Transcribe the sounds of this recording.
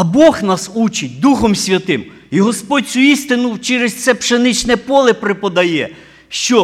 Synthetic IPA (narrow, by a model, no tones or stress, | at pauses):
ɐbɔxnɑsut͡ʃɪt̚ʲd̪uxɔmsʲʋʲɐt̪ɪm | iɦɔspɔdʲt͡sʲuist̪ɪnʊwt͡ʃɛɾest̪sɛpʃenɪt͡ʃnɛpɔlˠɪpɾɪpɔd̪ɐjɛ | ʃt͡ʃɔ